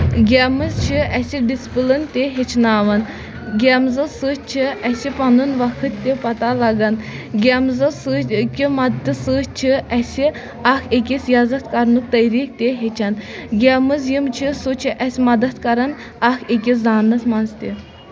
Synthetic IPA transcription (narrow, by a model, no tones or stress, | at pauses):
ɡʲɛmɨzt͡ʃʰiɛsid̪ispɨlɨnt̪eɦet͡ʃʰnaːʋɐn | ɡʲɛmzɨsɨt͡ʃʰiɛsipanunʋakʰɨt̪ːepat̪alaɡanɡʲɛmzɨsɨkʲimat̪ːɨsɨt͡ʃʰiɛsi | axek̬ʲisjazɐt̪kaɾnuk̚t̪ɐjɾik̚t̪eɦet͡ʃʰanɡʲɛmɨzjimt͡ʃʰisut͡ʃʰiʔɛsimɐd̪ɐt̪kaɾan | axekʲizaːnɨt̪manst̪i